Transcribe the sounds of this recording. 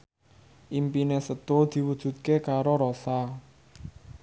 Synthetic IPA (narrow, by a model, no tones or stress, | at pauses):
ʔimpinesət̪od̪̥i̤wud̥ʒ̥ṳt̪̚kekaɾoɾosa